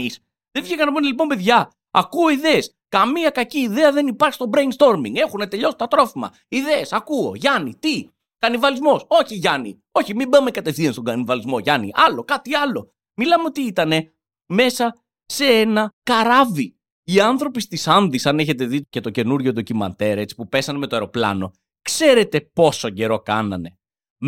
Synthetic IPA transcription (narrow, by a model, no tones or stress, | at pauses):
s | ðefiçekɐnɐpunelip̬o̞mbe̞ðʝɐ | ɐkuo̞iðees | kɐmiɐkɐciːðe̞ɐðe̞nipɐɾçi̥st̪o̞bɾenst̪o̞ɾmḭŋɡe̞xune̞t̪e̞ʎo̞si̥t̪ɐt̪ɾo̞fimɐ̰ | iðe̞ːsɐkuo̞̰ʝɐnḭt̪i | kɐnivɐlizmo̞so̞çiʝɐnḭ | o̞çimibɐmekɐt̪e̞fθiɐnst̪o̞ɡɐnivɐlizmo̞ʝɐnḭʔɐlo̞kɐt̪iɐlo̞ | milɐmeot̪iit̪ɐne̞ | me̞sɐ | se̞enɐkɐɾɐvi | iɐnθɾo̞pist̪isɐnðisɐneçe̞t̪e̞ðicet̪o̞ce̞nuɾʝoðo̞cimɐ̰nt̪e̞ɾe̞t͡si̥pupe̞sɐneme̞t̪oeɾoplɐ̰no̞ | kse̞ɾe̞t̪e̞po̞soɟe̞ɾo̞kɐ̰nɐ̰ne̞